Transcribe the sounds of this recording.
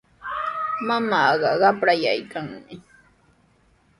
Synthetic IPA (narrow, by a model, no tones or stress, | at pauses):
mamɑːɢɑɢɑpɾaja̰jkʰaŋmɪ